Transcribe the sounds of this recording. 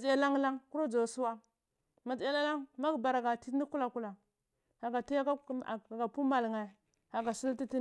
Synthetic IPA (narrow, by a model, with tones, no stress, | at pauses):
d͡ʒja˦la˦ŋla˦ŋku˦ɾo˦d͡ʒo˨su˦wa˦ | ma˨d͡ʒa˦la˦la˦ŋma˦ɡba˨ɾa˨ɡa˨ti˦i˦ku˦la˨ku˦la˨ | ha˨ɡa˨ti˦ja˦ka˦˨ɡa˨pu˦ma˨lŋa˨ | ha˨ɡa˨si˦lti˦ti˦